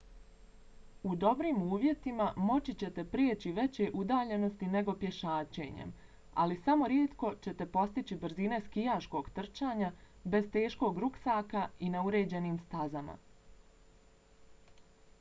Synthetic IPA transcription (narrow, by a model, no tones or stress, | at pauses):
ud̪o̞bɾiːmuːʋje̞t̪imamo̞t͡ɕit͡ɕe̞t̪e̞pɾiet͡ɕiʋe̞t͡ɕe̞ʔud̪aːʎe̞no̞st̪ine̞ɡo̞pjeʃaːt͡ɕe̞̰ːɲḛm | a̰lisamo̞ɾjeːt̪ko̞t͡ɕe̞t̪e̞po̞st̪it͡ɕibr̩zine̞skijaːʃko̞ɡt̪r̩t͡ʃaːɲabe̞zt̪e̞ːʃko̞ːɡɾuksaːkainauɾe̞ːd͡ʑe̞niːmst̪azama̰